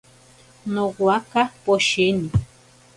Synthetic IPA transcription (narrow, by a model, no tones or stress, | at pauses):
noɡwakapoʃini